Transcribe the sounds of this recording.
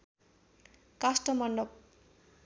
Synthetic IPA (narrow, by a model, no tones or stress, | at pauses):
kasʈʌmʌnɖʌp̚